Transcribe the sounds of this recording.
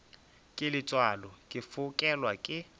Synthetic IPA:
kʼɪlɪt͡sʼwalɔkʼɪfʊkʼɛlwakʼɪ

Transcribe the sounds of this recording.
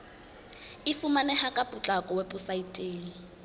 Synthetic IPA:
ɪfumanɛhakʼapʼʊt͡ɬʼakʼɔwepʼʊsaitʼeːŋ̩

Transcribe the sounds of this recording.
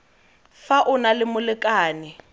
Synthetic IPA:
faʔʊnalɪmʊlɪkʼaːnɪ

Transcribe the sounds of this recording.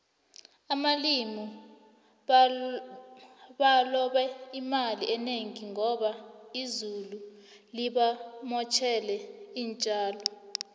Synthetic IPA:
amalimɔ | ɓalɔɓɛimaliʔɛneŋiŋɔɓaizulu | liɓamɔt͡ʃʰɛlɛiːnt͡ʃʼaːlɔ

